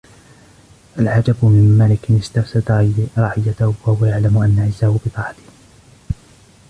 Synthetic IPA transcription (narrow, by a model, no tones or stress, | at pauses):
ʔalʕad͡ʒabmɪmːalɪkɪnɪst̪afsad̪ɾˤɑːʕɪjːat̪ahwahʊwajaʕlamʊʔanːaʕɪzːahʊbɨt̪ˤɑːʕɑt̪ɪ̥h